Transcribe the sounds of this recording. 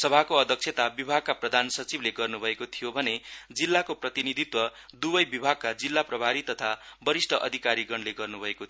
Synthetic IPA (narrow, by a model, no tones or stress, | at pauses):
sʌbʱakoʌd̪ʱʌk̚sʰet̪abibʱaɡ̚kaprʌd̪ʱansʌt͡sibleɡʌrnubʱʌekot̪ʰijobʱʌned͡zilːakoprʌt̪inid̪ʱit̪wʌd̪ubʌjbibʱaɡ̚kad͡zilːaprʌbʱaɾit̪ʌt̪ʰabʌɾisʈʰʌʔʌ̰d̪ʱikaɾiɡʌnleɡʌrnubʱʌeko